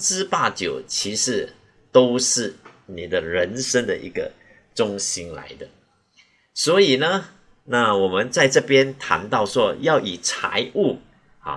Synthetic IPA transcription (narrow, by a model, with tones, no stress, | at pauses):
ɻ̩˥pa˥˩t͡ɕjo˨˩ʊt͡ɕʰi˧˥ʂɻ̩˧˥ | t̪o˥ʊʂɻ̩˥˩ni˨˩d̪ə˦ɻə˧˦˥nʂə˥ŋd̪ə̰˨ʔḭ˧˥ɡə̰˧ | ʈ͡ʂʊ˥ŋɕi˥nla̰˧˥ɪd̪ə˧ | swɔ˧˥i˨˩nə˦ | na˥˨wɔ˨˩mə˦nt͡sa˥˧ɪʈ͡ʂɤ˥˩pjɛ˥nt̪ʰa̰˧˥nt̪ɑ˥˩ʊʂwɔ˥jɑ˥˩ʊʔi˨˩t͡sʰa̰˧˥ɪʔu˥˩ | a̰˨˩